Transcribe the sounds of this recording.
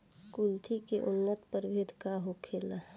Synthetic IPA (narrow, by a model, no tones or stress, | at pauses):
kult̪ʰikeʔʊnːət̪pəɾbɪd̪ʱkaɦokʰeːla